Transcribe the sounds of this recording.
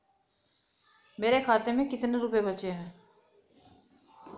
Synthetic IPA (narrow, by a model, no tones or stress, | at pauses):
meːɾekʰaːt̪emẽkɪt̪neɾuːpebət͡ʃenɛ